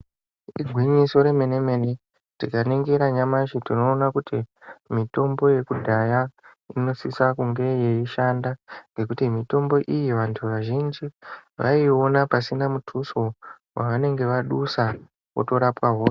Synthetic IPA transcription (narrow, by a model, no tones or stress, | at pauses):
iɡʱwiɲiso̞ɾe̞meneme̞ne | tikaneŋɡeɾaɲamaʃitino̞ːnakutimito̞mbo̞je̞kudʱajaino̞sisakuŋɡe̞je̞iʃandaŋɡe̞kutimito̞mbo̞ʔijiʋantʰuʋaʒind͡ʒiʋʔa̰io̞napasinamutʰuso̞ | waʋane̞ŋɡe̞ʋaɗusa | wo̰to̞ɾapwaɦoːse